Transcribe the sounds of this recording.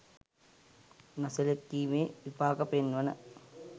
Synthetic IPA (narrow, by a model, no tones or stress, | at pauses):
nɐsɐlekːiːmeːʋipaːkɐpenʋɐnɐ